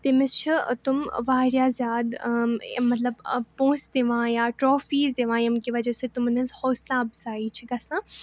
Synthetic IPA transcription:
t̪emɪst͡ʃʰḭt̪ʊmʋaːɾjaːzʲjaːd̪ | mɐt̪lɐbpõːsd̪eʋãːjaːʈɾoːfiːzd̪eʋãːjɐmkiʋɐd͡ʒɐset̪ʊmɐnɐnzhɔːslaːɐbzaːiːt͡ʃʰiɡɐsãː

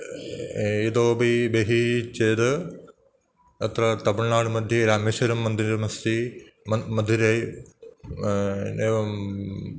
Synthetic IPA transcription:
id̪oːbibeɦit͡ʃeːd̪ɨ | ɐt̪ɾɐt̪ɐbɐɭnaːɽɨmɐd̪ʱjɐɾaːmeʃɐɾɐmːɐnd̪iɾɐmɐst̪imɐmɐd̪ʱːiɾeː | eːɐ

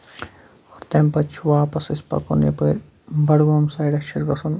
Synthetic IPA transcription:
ɔːɾt̪empɐt͡ʃʰʋaːpɐsispɐ̰konjɐ̰pɐːɾʲ | bɐɽɡoːmsaːjɖɐʃiɾɡɐsɐn

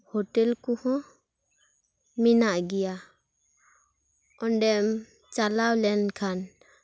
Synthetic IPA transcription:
hɔʈɛlkuhɔ̃ | minaʔɡija | ɔnɖɛm | t͡ʃalawlɛnkʰan

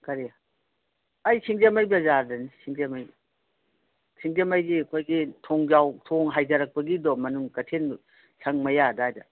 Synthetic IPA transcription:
kɐɾi | ɐjsʰiŋd͡ʒemajbɐzaɾdɐnisʰiŋzemaj | sʰiŋd͡ʒemajɡiɐkʰojɡitʰoŋzawtʰoŋɦajzɐɾɐk̚pɐɡidɔmɐnuŋkɐtʰen | sʰɐŋmɐjadajdɐ

